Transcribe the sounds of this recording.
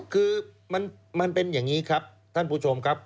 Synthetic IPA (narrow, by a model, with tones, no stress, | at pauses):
kʰɯː˧ | ma˧n | ma˧npe˧njaː˨˩ŋiː˦˥kʰa˦˥p̚ | t̪ʰa˥˩npʰuː˥˩t͡ɕʰo˧mkʰa˦˥p̚